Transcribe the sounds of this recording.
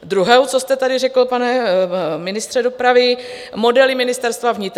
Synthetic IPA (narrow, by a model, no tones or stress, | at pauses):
d̪ɾuɦɛwt͡sost̪ɛt̪adɪrɛkl̩panɛmɪnɪst̪r̥ɛdo̞pɾavɪ | mo̞dɛlɪmɪnɪst̪ɛɾst̪vavɲɪt̪ɾ